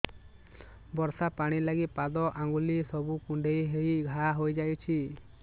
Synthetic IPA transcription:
bɔɾsapaɽ̃ilaɡipad̪ɔʔaŋɡulisɔbukuɳɖʱejɦejɡʱaɦojd͡ʒajt͡ʃʰi

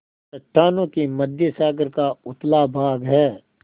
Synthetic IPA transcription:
sɐʈʰːaːnõkimɐd̪ʱjəsaːɡəɾkaʊt̪labʱaːɡɦɛː

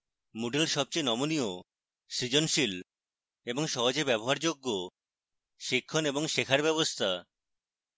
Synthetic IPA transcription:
muɖelʃɔb̚t͡ɕojnɔmonio | ʃɾid͡ʑonʃil | eboŋʃɔɦod͡ʑebɛboɦaɾd͡ʑoɡːo | ʃikʰːoneboŋʃekʰaɾbɛβost̪ʰa

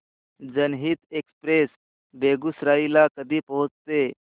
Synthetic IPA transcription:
d͡zənɦiːt̪ekspɾes | beɡusɾailakəd̪ʱiːpəɦut͡st̪e

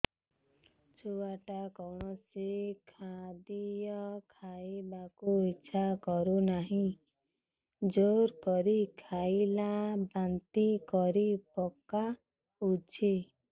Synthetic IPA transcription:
t͡ʃʰuwaʈakɔwɳ̃ɔsikʰad̪ijɔkʰajbakuitːʃʰakɔɾunaɦĩ | d͡ʒoɾkɔɾikʰajlabant̪ikɔɾipɔka | ut͡ʃʰi

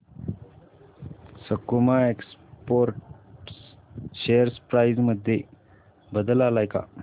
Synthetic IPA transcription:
sɐkːumaekspoɾʈ | sejəɾspɾajzmɐd̪ʱje | bəd̪əlalajka̰

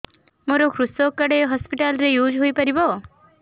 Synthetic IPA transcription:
moɾokʰɾusokːəɽeɦɔspiʈalɾejuːd͡ʒɦojpəɾibɔ

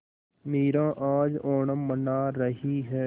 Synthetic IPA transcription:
meːɾãːʔaːd͡ʒoːɳəmənaːɾəɦiɦɛː

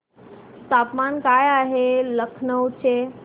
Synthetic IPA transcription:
st̪aːpmankaːjaɦeləkʰnəwt͡ɕʰe

